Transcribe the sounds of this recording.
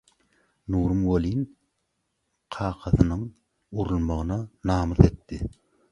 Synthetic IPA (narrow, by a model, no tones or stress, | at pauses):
nuːɾɯmwolin | qʰɑːqʰɑθɯnɯŋ | uɾulˠmɑʁɯnɑnɑːmɯθe̞t̪ːɪ